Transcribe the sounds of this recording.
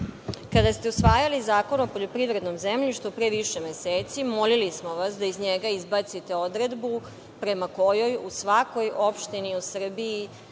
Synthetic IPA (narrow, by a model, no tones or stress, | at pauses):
kad̪ast̪e̞usʋaːjalizaːko̞nopo̞ʎo̞pɾiʋɾe̞d̪no̞mze̞mʎiʃt̪ʋupɾe̞ːʋiʃe̞meseːt̪simo̞lilismoʋasd̪aizɲeɡaizbat̪sit̪e̞o̞d̪ɾe̞d̪bu | pɾe̞mako̞jo̞jusʋako̞jo̞pʃt̪iniusr̩biː